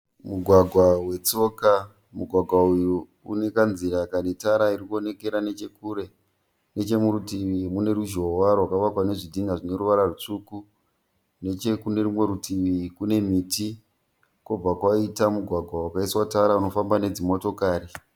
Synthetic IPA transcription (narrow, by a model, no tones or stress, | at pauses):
muɡʱwaɡʱwawe̞t͡so̞ka | muɡʱwaɡʱwauju | ṵne̞kanziɾakanetaɾaiɾikuone̞ke̞ɾane̞t͡ʃe̞kuːɾe̞ | ne̞t͡ʃe̞muɾutiʋimune̞ɾuʒo̞warwakaʋakwane̞ʐidʱindaʐine̞ɾuʋaɾarut͡ʂuku | ne̞t͡ʃe̞kune̞ɾumwe̞ɾutiʋikune̞miːti | kob͡vakwaitamuɡʱwaɡʱwawakaiswataɾauno̞fambane̞d͡zimo̞to̞kaːɾi